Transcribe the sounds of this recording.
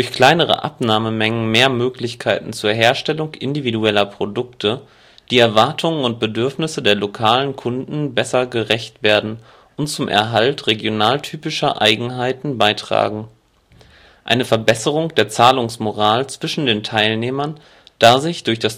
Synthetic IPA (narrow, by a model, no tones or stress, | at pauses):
d̥ʊɐçkl̥aɪnəʁ̞ə̰ʔa̰pnaːməmɛŋən̩meːɐmøːklɪçkʰaɪtn̩t͡suːɐɦeːɐʃtɛlʊŋʔɪ̰ndividuɛlɐpʁ̥odʊktʰə | d̥iːɛɐvaɐtʰʊŋənʊnt̚b̥ədʏɐfnɪsədeːɐlokʰaːlənkʰʊndn̩bɛsɐɡəʁɛçtv̥eːɐdn̩ | ʊntt͡sʊmʔɛ̰ɐɦaltʁeɡjonaːltʰyːpɪʃɐ̰ʔa̰ɪɡŋ̩ɦaɪtn̩baɪtʁ̥a̰ːɡŋ̩ | ʔa̰ɪnəfɛɐbɛsəʁʊŋd̥eːɐt͡saːlʊŋsmoʁaːlt͡sv̥ɪʃn̩deːntʰaɪlneːmɐn | d̥aːzɪçd̥ʊɐçd̥as